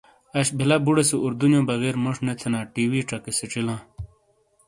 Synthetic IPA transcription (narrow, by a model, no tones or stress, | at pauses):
ɐɕbʱilabuɽesuʔuɾd̪unjõːbɐɣeːɾmoʂnet̪ʰenãːʈiːwiːʈ͡ʂɐkeseʈ͡ʂilãː